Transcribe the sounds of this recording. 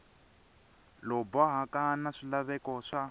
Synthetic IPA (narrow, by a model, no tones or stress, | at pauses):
lɔbɔɦakanaʂilaβɛkɔʂa